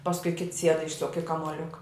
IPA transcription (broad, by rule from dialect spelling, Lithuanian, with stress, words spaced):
pɐsˈkʊɪ kʲɪts sʲiɛt ˈɪʃsʊk ɪ kɐmuɔˈlʲʊkɐ